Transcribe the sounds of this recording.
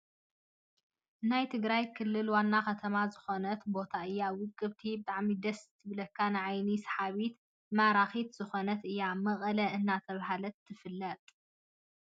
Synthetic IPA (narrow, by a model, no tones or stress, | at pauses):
najt̪ʰɨɡɾajkʰɨlːɨlwanːaxɐt̪ʰɐmazɨxo̞nɐt̪bo̞t̪ʰaɨjːawʊkʼːɨbt̪ʰibɨt̪ʼaʕmid̪ɐst̪ʰɨβlɐkʰːanɨʕajnisħaβit̪ | maɾaxit̪z̥ɨxo̞nɐt̪ɨjːamɐχʼɐlɐʔɨnːat̪ʰɐβɦalɐt̪ʰːɨfɨlːɐt̪ʼ